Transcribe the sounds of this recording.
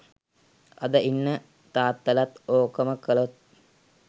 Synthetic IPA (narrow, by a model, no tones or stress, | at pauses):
ɐ̰d̪əʔinːə | t̪aːt̪ːəlat̪oːkəməkəlot̪̚